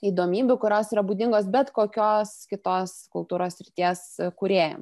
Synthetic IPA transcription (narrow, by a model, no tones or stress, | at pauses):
iːd̪oːmʲiːbʲʊkʊɾʲoːsiːɾɐbuːd̪ʲɪŋɡoːsbʲɛt̪koːkʲoːskʲɪt̪oːskʊlˠt̪uːɾoːssʲɾʲɪt̪ʲiɛskʊɾʲeːjo̰ːm